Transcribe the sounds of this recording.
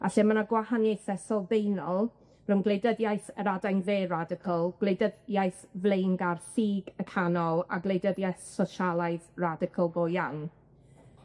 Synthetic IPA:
a̰ɬɛmanaɡwahanjejθɛsɔlˠvejnɔlˠ | rʊnɡlˠejdəðjajθəɾadajnveːradɪkʰəlˠɡ̥lejdəðjajθvlejnɡarsiːɡəkʰanɔlˠa̰ɡlˠejdəðjajθsɔʃalˠaɨðradɪkʰəlˠɡojaŋ

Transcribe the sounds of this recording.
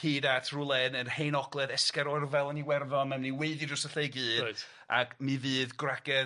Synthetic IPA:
hiːdatʰrʊlˠɛnənhejnɔɡlˠɛðɛskɛɾɔrvɛlˠəniwɛrðɔmamniweɨðidɔsəɬeɨɡɨːd | a̰ɡmivɨːðɡraɡ̥ɛ

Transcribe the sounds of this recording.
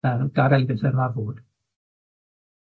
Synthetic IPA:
əɡaɾɛlbɪsɛɾmavuːd̥

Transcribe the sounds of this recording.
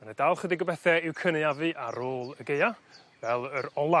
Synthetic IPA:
anədalˠχədiɡɔbɛθɛɪwkʰənɨavɨʔaɾoːlˠəɡeja | vɛlˠəɾɔlˠa

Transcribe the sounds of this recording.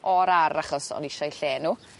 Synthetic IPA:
ɔɾaɾaχɔsɔ̰nɪʃajɬeːnuː

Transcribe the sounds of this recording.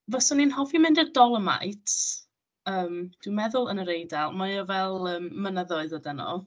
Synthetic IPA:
vɛsɔninhɔvimɪndədɔlˠəma̰jtʰ | əːmd̥wimɛðʊlˠənəɾejdalˠmaɨɔvɛlˠəːmːənəðɔɨðədɛnɔ̰lˠ

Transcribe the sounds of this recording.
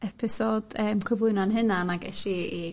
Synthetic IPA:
ɛpʰɪsɔd̥əːmkʰwɪvʊɨnanɦɪnanaɡɛʃii

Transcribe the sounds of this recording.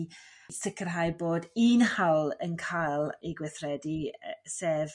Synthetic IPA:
sɪkʰərɦajboːdiːnhawlˠənkʰajlˠiɡwɪθrɛdiseːv

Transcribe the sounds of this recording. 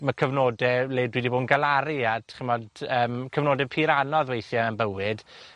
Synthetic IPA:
məkʰəvnoːdɛleːdwiːdiboːdnɡalˠaɾiatʰχɪmɔdəːmkʰəvnoːdɛpʰiɾanɔðwejθjaənbəwɨd̥

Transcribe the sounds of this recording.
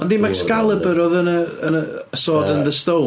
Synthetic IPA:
ɔndiːmaɡskalˠəbəɾɔðənəənə | əsoːdənðəstow

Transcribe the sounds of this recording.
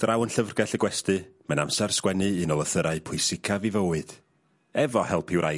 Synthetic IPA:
d̥rawənɬəvrɡɛɬəɡwɛstɨmanamsɛrskwɛnɨɨnɔlˠəθəɾaɨpʰʊɨsɪkʰavivəwɨd̥ | ɛvɔhɛlˠpʰɪwɾʔa

